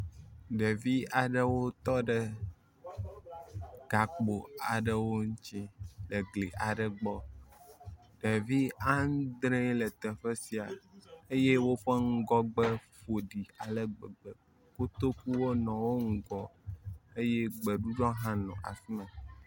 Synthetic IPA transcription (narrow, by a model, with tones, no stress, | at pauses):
ɖe˨vi˦a˨ɖə˦wo˦t̪ɔ˦ɖə˦ | ɡ̥a˨k͡po˨a˨ɖə˨wo˦ɲ̩˦t͡ʃĩ˦lə˨ɡli˨ʔa˨ɖə˨ɡ͡bɔ˦ | ɖe˨vi˦a˦n˦d̪ɾe˦lə˨t̪ɛ˨ɸə˦si˨a˨e˦je˦wo˦ɸə˦ŋ̩˦ɡɔ˦ɡ͡bə˦ɸo˨ɖi˨a˨lə˦ɡ͡bɛ˨ɡ͡bɛ˨ | ko˦t̪o˦ku˦wo˦nɔ̃˨wo˦ŋ̩˦ɡɔ˦e˦je˦ɡ͡bɛ˨ɖu˦ɖɔ̃˦ɦã˦nɔ̰̃˨ʔa̰˨si˦nã˨